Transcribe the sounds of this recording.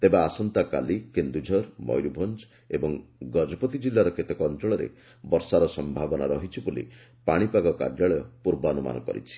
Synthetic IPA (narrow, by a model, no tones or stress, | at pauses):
t̪ebaːsɔnt̪aka̰likend̪ud͡ʒʱɔɾmɔ̰jɾubʱɔnd͡ʒ | ebɔŋɡɔd͡ʒɔpɔt̪id͡ʒilːaɾɔket̪ɔkɔnt͡ʃɔɭɔɾḛ | bɔɾsaɾɔsɔmbʱabɔnaɾɔɦit͡ʃʰibulḭ | paɽ̃ipaɡɔka̰ɾjaɭɔjɔpuɾbɔɔnuma̰nɔkɔ̰ɾḭt͡ʃʰi̥